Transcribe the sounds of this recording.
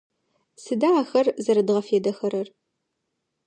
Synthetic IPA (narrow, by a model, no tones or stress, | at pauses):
sɨdaːxɐrzɐɾɨdʁɐfeːdɐxɐɾɐr